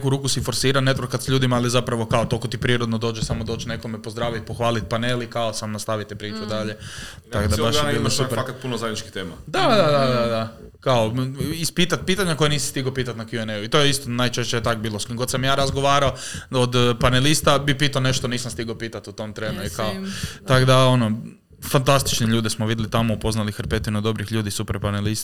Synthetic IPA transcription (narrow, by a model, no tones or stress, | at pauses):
kuɾuːkusifo̞ɾsiːɾanet̪ɾokad̪sʎuːd̪imaːlizapɾaʋo̞kaot̪o̞lkot̪ipɾiːɾod̪nod̪o̞ːd͡ʒesamod̪ot͡ʃne̞ko̞mepo̞zd̪ɾaːʋit̪̚poxʋaːlit̪̚panelikaosamnast̪aʋit̪epɾiːt͡ʃud̪aʎe | akod̪abaʃjebiːlosupɾakat̪punozajd̪it͡ʃki̥t̪eːmad̪ad̪ad̪ad̪ad̪a | kaoispiːt̪at̪̚piːt̪aɲako̞jeniːsi̥st̪iɡopiːt̪at̪nakjuenejuit̪ojeist̪onajt͡ʃeʃt͡ɕejt̪akbiːlˠosɡod̪samjaːɾazɡoʋaːɾaood̪panelist̪abipiːt̪aone̞ʃt̪oniːsamst̪iɡopiːt̪at̪ut̪o̞mt̪ɾeːnuikaot̪akd̪aono | fant̪ast̪i̥t͡ʃniʎuːd̪ismoʋid̪ʲlit̪amoupo̞znalixeɾpet̪inud̪o̞bɾixʎuːd̪isupeɾpanelist̪